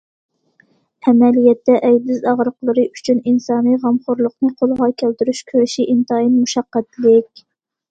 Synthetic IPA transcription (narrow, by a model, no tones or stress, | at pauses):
ɛmɛlijɛt̪ːɛʔɛjd̪ɪzɑʁɾəqlˠɨɾɨʔyt͡ʃʰyninsɑːnɨʁɑmχʊɾlˠʊqnɨqʰolˠʁɑkʲʰælt̪yɾyʃkʲʰøɾʃiʔint̪ɑːjinmuʃɑqːæt̪lɪkʲ